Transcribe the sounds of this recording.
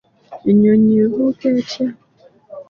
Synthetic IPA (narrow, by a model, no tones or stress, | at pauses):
iɲoɲeɦokeat͡ʃja